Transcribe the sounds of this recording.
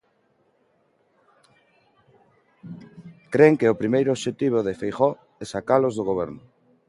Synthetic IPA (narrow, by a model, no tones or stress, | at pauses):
kɾeŋkeʊpɾimejɾʊoːʃet̪iβ̞oðɪfejχɔ | ɛsakalozðoɣoβ̞ɛɾnʊ